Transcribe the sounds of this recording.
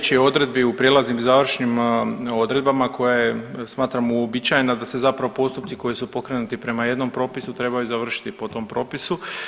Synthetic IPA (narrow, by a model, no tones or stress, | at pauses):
t͡ɕio̞d̪ɾe̞d̪̚biupɾijelaznimzaʋr̩ʃnimo̞d̪ɾe̞d̪bamakʰo̞jajesmaːt̪ɾamuobit͡ɕajenad̪ase̞zapɾaʋo̞po̞st̪upt̪siko̞jisupo̞kɾe̞nut̪ipɾe̞maje̞d̪no̞mpɾo̞ːpisut̪ɾe̞bajuzaʋr̩ʃi̥t̪ipo̞t̪o̞mpɾo̞ːpisu